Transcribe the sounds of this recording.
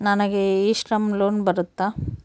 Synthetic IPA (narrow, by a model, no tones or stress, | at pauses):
nɐnɐɡeiːʂɾɐmloːnbɐɾut̪ːa